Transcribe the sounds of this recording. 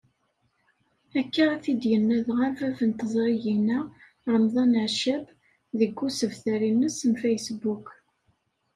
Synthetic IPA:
ækːaæθid̪jənːæðʁəɾvævənt̪əzˤɾˤijinæ | ɾˤəmðˤɑnəʕʃæb | ðəɡːusəvθæɾinːəsənfæjsbuk

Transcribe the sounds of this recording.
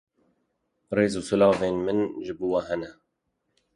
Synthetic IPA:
reːzuːsʊlɑːveːnmɨnʒɨbuːwɛɦɛnɛ

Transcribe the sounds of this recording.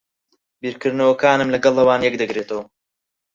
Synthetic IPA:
biːɾkɨɾnɐwɐkʰaːnɨmlɐɡɐlˠːɐwaːnjɛkd̪ɨɡɾeːt̪ʰɐwɐ

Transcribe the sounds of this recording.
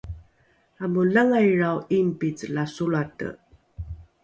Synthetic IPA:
amulaŋajɾawimpit͡səlasuɭatə̰

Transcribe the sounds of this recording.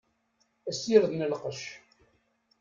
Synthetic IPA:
æsiɾðnəlqəʃ

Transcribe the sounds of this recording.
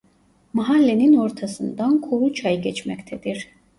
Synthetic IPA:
maɦalːɛninɔɾt̪ʰasɯnd̪ankʰuɾut͡ʃʰajɡɛt͡ʃʰmɛkt̪ʰɛd̪iɾ̥

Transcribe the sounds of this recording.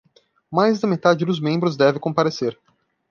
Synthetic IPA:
majzd̪ɐmet̪ad͡ʒɪd̪ʊzmẽmbɾʊzd̪ɛvẽkõpaɾeseɾ

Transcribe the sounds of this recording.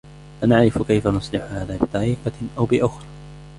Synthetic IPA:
fanaʕɾɪfkajfanʊsˤlɪħʊhaːðaːbɪt̪ˤɑɾiːqɑʔawbɪʔʊxɾˤɑ

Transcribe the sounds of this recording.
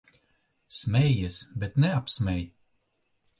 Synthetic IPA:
smʲɛjjɛsbɛt̪nɛapsmʲɛj

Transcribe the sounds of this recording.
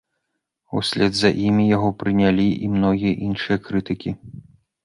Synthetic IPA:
usʲlʲɛd̪zɐʔimʲijaɣɔpɾɨnʲalʲiʔimnɔɣʲijɐʔinʂɨjɐkɾɨt̪ɨkʲi

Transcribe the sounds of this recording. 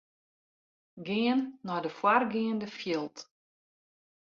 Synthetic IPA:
ɡɪənːɔjdəfwarɡɪəndəfjɪlˠt

